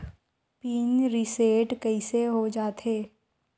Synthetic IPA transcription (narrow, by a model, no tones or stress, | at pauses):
piːnɾiseːʈkəiseɦod͡ʒaːt̪ɦeː